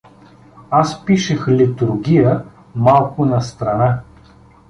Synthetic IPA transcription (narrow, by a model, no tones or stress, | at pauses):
aspiʃɛxlit̪ʊɾɡʲijə | malˠkʊnɐst̪ɾɐna